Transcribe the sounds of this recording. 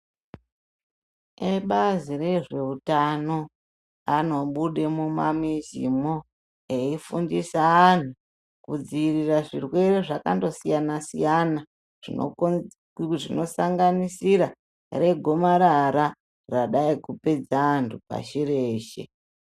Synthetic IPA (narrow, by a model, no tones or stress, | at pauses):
eɓazire̞ʐe̞utano̞ | ano̞ɓuɗe̞mumamizḭmo | eifundisaːntu | kud͡ziːriraʐirwe̞ɾeʐaka̰ndo̞sijanasḭjana | ʐi | ʐino̞saŋɡanisiɾa | re̞ɡʱomaɾaɾa | raɗaikupe̞d͡zaːntʰupa̰ʃiɾeːʃe̞̰